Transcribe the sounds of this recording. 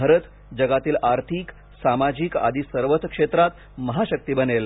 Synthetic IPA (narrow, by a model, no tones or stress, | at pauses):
əɾət̪ | d͡ʑəɡat̪iːlʔaɾt̪ʰik | samad͡ʑiːka̰d̪ʱiːsəɾʋət̪kʂet̪ɾat̪ | məɦaɕək̚t̪ibənel